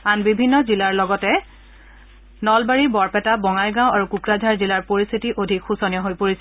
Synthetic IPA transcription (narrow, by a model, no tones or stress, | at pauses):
anbibʱinːɔzilaɹlɔɡɔtɛ | nɔlbaɹibɔɹpɛtabɔŋajɡãw̃aɹukukɹazʱaɹzilaɹpoɹist̪ʰitiʔodʱikxusɔnjɔɦojpoɹisɛ